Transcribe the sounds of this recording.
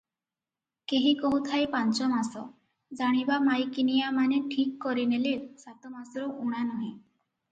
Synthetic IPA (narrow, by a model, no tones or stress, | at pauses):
keɦikɔɦut̪ʰajpant͡ʃɔmasɔ | d͡ʒaɽ̃ibamajkinijamaneʈʰikːɔɾinelesat̪ɔmasɔɾɔʔuɽ̃anɔɦĩ